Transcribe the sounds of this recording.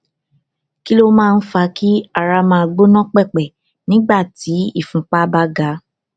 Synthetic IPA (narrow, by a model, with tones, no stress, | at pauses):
ki˦lo˦mãː˦˧n̩˦fa˧ki˦a˦˨ɾa˧mã˧˨a˧ɡ͡bo˦nɔ̃˦k͡pɛ˦˨k͡pɛ˨ | nĩ˦ɡ͡ba˦˨ti˨˦ḭ˦˨fũ˨˦k͡pa˦ba˦ɡa˨˦